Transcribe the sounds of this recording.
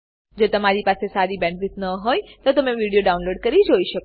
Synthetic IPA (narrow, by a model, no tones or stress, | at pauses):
d͡ʒot̪əmaɾipasesaɾibɛ̃ɳɖʋɪt̪nəɦojt̪ot̪əmeʋiɽijoɖaũnloɖkəɾid͡ʒoiʃək